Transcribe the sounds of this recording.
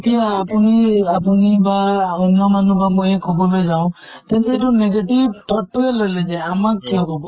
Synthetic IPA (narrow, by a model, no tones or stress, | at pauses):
t̪ijaːpuniapunibaɔnːɔmanũbamujekʰɔbɔbed͡ʒaw̃ | t̪ent̪eeʈuneɡeʈibʈʰɔʈːuelɔled͡ʒeamakkːiɔkɔbɔ